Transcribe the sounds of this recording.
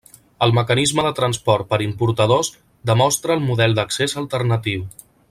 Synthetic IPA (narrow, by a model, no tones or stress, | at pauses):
əlˠməkənizməðət̪ɾənspɔɾt̪̚pəɾimpuɾt̪əð̞oz | d̪əmɔst̪ɾəːlˠmuðɛlˠd̪əksezəlˠt̪əɾnət̪iw